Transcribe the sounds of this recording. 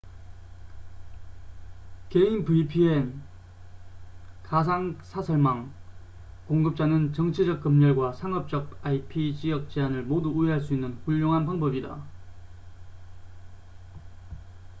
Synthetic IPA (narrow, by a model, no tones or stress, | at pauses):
ke̞inpɯipʰien | kas̬ʰaŋsʰasʰʌɭmaŋ | koŋɡɯp̚t͡ɕ͈anɯnt͡ɕʌŋt͡ɕʰid͡ʑʌk̚k͈ɯmɲʌɭɡwasʰaŋʌp̚t͡ɕ͈ʌk̚aipʰit͡ɕiʌk̚t͡ɕ͈eanɯɭmoduuiɦaɭs̬͈uinːɯnɸuʎːoŋɦanpaŋbʌbida̰